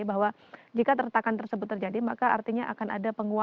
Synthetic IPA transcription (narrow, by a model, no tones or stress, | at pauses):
baɦwa | d͡ʒikat̪ərt̪akant̪ərsəbʊt̪ːərd͡ʒadimakaart̪iɲaʔa̰kana̰dapəŋua